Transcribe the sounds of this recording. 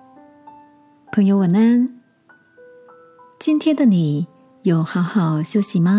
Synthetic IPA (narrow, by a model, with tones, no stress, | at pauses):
pʰɤ˧˥ŋjo˧ʊwə˨˩nə˥n | t͡ɕi˥nt̪ʰjɛ˥nd̪ə˨ni˨˩˦ | jo˨˩ʊxɑ˧˥ʊxɑ˨˩ʊɕjo˥ʊɕi˨˩ma˧